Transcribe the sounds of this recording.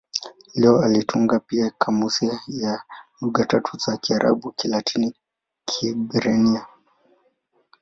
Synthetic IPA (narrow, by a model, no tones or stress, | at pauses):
lɛɔalitʰuŋɡapiakʰamusiajaluɠatatʰuzakiaɾʔa̰ɓukilatʰini | kʰibɾɛnia